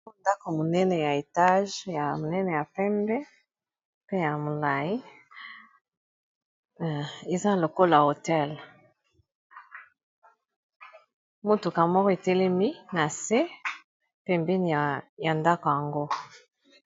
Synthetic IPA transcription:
o˦nda˦ko˨mo˨nɛ˦nɛ˨ja˨e˨ta˦ʒja˨mo˨nɛ˦nɛ˨ja˨pɛ˦mbɛ˦ | pe˦ja˨mo˨la˨ji˦˨ | e˨za˦lo˨ko˦la˨o˨tɛ˦l | mo˦to˨ka˨mɔ˦kɔ˦e˨te˦le˦mi˦na˨se˦ | pe˦mbi˦n˨ja˨nda˦ko˨ja˨ŋɡo˦

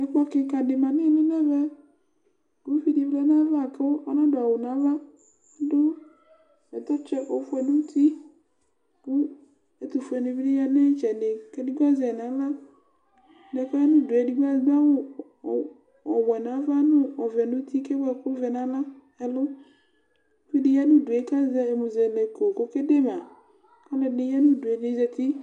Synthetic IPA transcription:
ɛ˨˦k͡pɔ˦ke˨ka˨ɖe˨mã˨nẽ˦˨nẽ˦nɛ˦vɛ˦ | ɡo˦fi˦di˨vlɛ˦nã˦va˦˨ke˦wo˦ʔɔ˦nã˦ɖo˨a˨wo˨nã˨˦va˦ | do˦ | ɛ˨t̪ɔ˦t͡ʃɛ˦ʔo˨fu˦ɛ˨nũ˦t̪i˦ | ku˦ | e˦t̪u˨fu˨˦ɛ˨nẽ˨vi˦de˦ja˦nɛ̃˦t͡ʃɛ˨ɖe˨ke˦di˦ɡa˦zi˨a˨nã˨˦la˦˨ | dɛ˨kɔ˦ɛ˦nʊ̃˦˨dʊ˨ɛ˨di˦ɡa˦da˦wʊ˦˨ | ɔ˨wɛ˨nã˨˦va˦nʊ̃˦ɔ˨vɛ˨nʊ̃˦tʰi˦kɛ˦wɛ˦˨kʊ˦vɛ˨nã˨˦la˦ | ɛ˨lʊ˦ | ki˦dɪ˨jɛ˦nʊ̃˦dʊ˨e˨˦ka˦zɛ˦ɛ˨mʊ̃˨zɛ˨nɛ˨ko˨kʊ˦kɛ˦de˦mã˨ | ka˦lɛ˨nɪ˨˦jɛ˦nʊ̃˦du˨ɛ˨nɪ̃˦zɛ˨ti˦

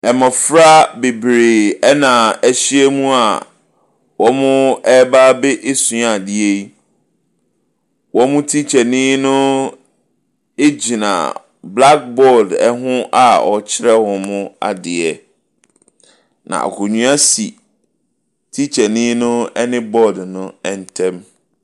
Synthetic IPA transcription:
ɛ˨mɔ̃˨fɾa˦be˨bɾeː˨ɛ˦nã˨ɛ˦ɕi˦ɛ˦mũ˦a˨ | wɔ˦mʊ̃˦ɛ˦ba˦be˦ʔe˦sʊ̃˨˦a˨dɪ˦e˦i˦ | wʔɔ˦mʊ̃˦tʰi˦t͡ɕʰɛ˨nĩ˦nʊ̃˦ | e˦d͡ʑi˨nã̰˨ | bla˦k̚bɔ˦˨dɛ˦ɦʊ̃˦ʔa˨ɔ̰˨t͡ɕʰɪ˦ɾɛ˦hɔ̃˨mʊ̃˦a̰˨dɪ˨ɛ˨ | nã̰˨a̰˨kʰo˨ɲũ˦a˦si˨ | tʰi˦t͡ɕʰɛ˨nĩ˦nʊ̃˦ɛ˦nɪ̃˦bɔ˦dnʊ̃˦ɛ˨n˨tʰɛ̃˦m

